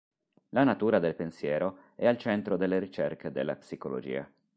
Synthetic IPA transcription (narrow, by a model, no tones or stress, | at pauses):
lanat̪uːɾad̪elpensjɛːɾo | ɛalt͡ʃɛnt̪ɾod̪elːeɾit͡ʃerkʰed̪ḛlːa̰psikolo̰d͡ʒḭːa̰